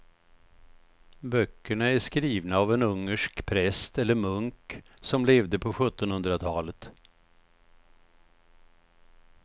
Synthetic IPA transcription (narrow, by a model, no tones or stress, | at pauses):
bœkːəɳaæʂkɾiːvnaːvɛnɵŋːəʂkpʰɾɛst̪ɛlːəɾmɵŋksɔmleːvd̪əpʰɔɧɵt̪ːɔnhɵnd̪ɾat̪ʰɑːlət̪